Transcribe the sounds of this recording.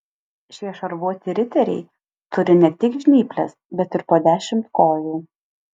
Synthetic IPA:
ʃʲiɛʃɐɾʋuɔt̪ʲɪɾʲɪt̪ʲɛɾʲɛ̰ɪ | t̪ʊɾʲɪnʲɛt̪ʲɪkʒʲnʲiːpʲlʲɛsbʲɛt̪ɪɾpoːd̪ʲæːʃʲɪmt̪koːjuː

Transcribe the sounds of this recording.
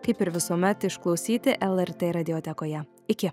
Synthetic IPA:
kɐɪpɪɾʋʲɪsuːmʲɛt̪ɪʃklˠɒʊsʲiːt̪ʲɪʔɛlˠɛɾt̪ʲeːɾɐd̪ʲɪɔt̪ʲɛkoːjɛ | ɪkʲɪ

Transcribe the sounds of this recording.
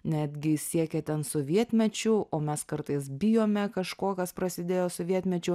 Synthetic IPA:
nʲæːd̪ʲɡʲɪsʲiɛkʲɛt̪ʲɛnsʊʋʲiɛt̪ʲmʲɛt͡ʃʲʊoːmʲɛskɐɾt̪ɐɪs̬bʲɪjoːmʲɛkɐʃkoːkɐspɾɐsʲɪd̪ʲeːjoːsʊʋʲiɛt̪ʲmʲɛt͡ʃʲʊ

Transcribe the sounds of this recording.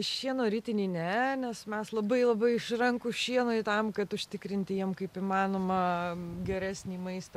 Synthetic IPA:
ʃʲiɛnoːɾʲɪt̪ʲɪnʲiːnʲɛnʲɛsmʲɛslˠɐbɐɪlˠɐbɐɪɪʃrɐŋkʊʃʲiɛnoːɪt̪ɐmkɐt̪ʊʃʲt̪ʲɪkɾʲɪnʲt̪ʲɪjiɛmkɐɪpɪmɑːnoːmɐɡʲɛɾʲæːsʲnʲiːmɐɪst̪ɐ

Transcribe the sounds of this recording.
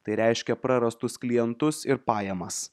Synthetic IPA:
t̪ɐɪɾʲæɪʃʲkʲɛpɾɐɾɐst̪ʊsklʲijɛnt̪ʊsɪɾpɑːjɛmɐs

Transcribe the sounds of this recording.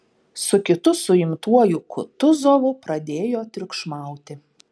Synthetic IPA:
sʊkʲɪt̪ʊsʊɪmt̪uɔjʊkʊ̰t̪ʊzoːʋʊpɾɐd̪ʲeːjoːt̪ʲɾʲɪʊkʃmɑˑʊt̪ʲɪ

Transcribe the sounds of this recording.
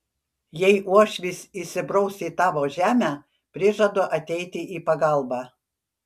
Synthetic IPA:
jɛɪʔuɔʃʲʋʲisʲisʲɪbɾɔʊsʲiːt̪ɑːʋoːʒʲæːmʲæː | pʲɾʲɪʒɐd̪oːʔɐt̪ʲɛɪt̪ʲɪʔiːpɐɡɐˑlˠbɑː

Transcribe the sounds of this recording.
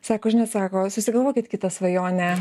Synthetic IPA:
sɑːkoʒʲɪnɐtsɑːkoːsʊsʲɪɡɐlˠʋoːkʲɪt̪kʲɪt̪ɐsʋɐjoːnʲɛ

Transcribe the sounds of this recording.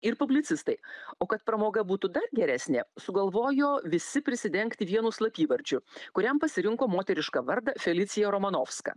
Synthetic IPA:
ɪɾpʊbʲlʲɪt̪sʲɪst̪ɐɪoːkɐt̪pɾɐmoːɡɐbuːt̪ʊd̪ɐɾɡʲɛɾʲæːsʲnʲeːsʊɡɐlˠʋoːjoːʋʲɪsʲɪpʲɾʲɪsʲɪd̪ʲɛŋkt̪ʲɪʋʲiɛnʊslˠɐpʲiːʋɐɾʲd͡ʒʲʊkʊɾʲɛmpɐsʲɪɾʲɪŋkoːmoːt̪ʲɛɾʲɪʃkɑʋɐɾd̪ɐfʲɛlʲɪt̪sʲɪjɛɾoːmɐnoːfskɐ̰ː

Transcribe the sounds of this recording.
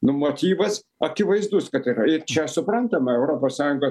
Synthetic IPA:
nʊmoːt̪ʲiːʋɐs | ɐkʲɪʋɐɪzd̪uskɐt̪ɪɾɐɪɾt͡ʃʲɛsʊpɾɐnt̪ɐmɐɛʊɾoːpoːssɑːjʊŋɡoː

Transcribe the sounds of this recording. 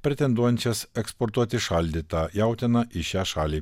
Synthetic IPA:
pʲɾʲɛt̪ʲɛnd̪uɔjɛnʲt͡ʃʲɛsɛkspɔɾt̪uɔt̪ʲɪʃɐlʲd̪ʲiːt̪ɑjæˑʊt̪ʲenɐʔɪʃʲæːʃɑːlʲiː

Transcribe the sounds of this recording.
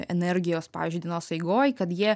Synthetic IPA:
ɛ̰nʲɛɾʲɡʲɪjoːspɑ̰ːʋʲiːzʲd͡ʒʲyːˑd̪ʲɛnoːsɐɪɡoːjkɐt̪jiɛ

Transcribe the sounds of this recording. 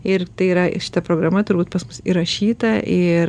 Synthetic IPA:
ɪɾt̪ɐɪiɾɐʃʲɪ̥t̪ɐpɾoːɡɾɐmɐt̪ʊɾbuːt̪̚pɐsmʊsiɾɐʃʲiːt̪ɐʔɪ

